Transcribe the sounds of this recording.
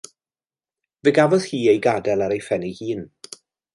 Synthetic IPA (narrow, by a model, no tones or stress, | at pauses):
vɪɡavɔð̥hiːejɡadɛlˠaɾejfɛnihiːn